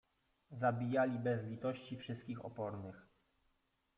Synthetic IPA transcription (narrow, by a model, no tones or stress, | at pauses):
zabʲijalʲibɛzlʲit̪ɔɕt͡ɕifʂɘst̪̚kʲixɔ̰pɔɾnɘx